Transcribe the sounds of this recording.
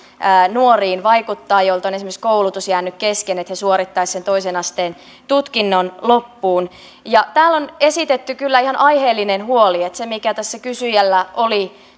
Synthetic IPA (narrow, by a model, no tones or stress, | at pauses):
nuoriːnʋɑikut̪ːɑːjolt̪onesimesi̥skoulut̪usjæːnːykkeskenet̪hesuoɾit̪ːɑissent̪oisenɑst̪eːn | t̪ut̪kinːonlopːuːn | jɑt̪æːlːonesit̪et̪ːykylːæihɑnʔɑjheːlːinenhuoliet̪semikæt̪æsːækysyjælːæʔoli